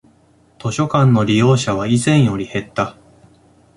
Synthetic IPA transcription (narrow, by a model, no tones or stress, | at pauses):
t̪o̞ɕo̞kãnːo̞ɾʲijo̞ːɕaβ̞aizẽ̞ɰ̃jo̞ɾʲihe̞t̪ːa